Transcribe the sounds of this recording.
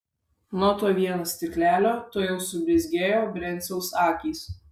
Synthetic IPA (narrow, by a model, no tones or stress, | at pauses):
nuɔt̪oːʋʲiɛnoːsʲt̪ʲɪklʲæːlʲoːt̪oːjɛʊsʊbʲɾʲɪzʲɡʲeːjoːbɾʲɛnʲsʲɛʊsɑːkʲiːs